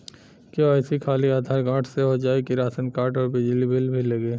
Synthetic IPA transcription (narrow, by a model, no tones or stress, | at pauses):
kjoaɪsikʰaːliaːd̪ʱaːɾɡaːʈʰseɦod͡ʒaːekiɾaːsənkaːɾʈɔːɾbɪd͡ʒlibʱɪlbʱiləɡeː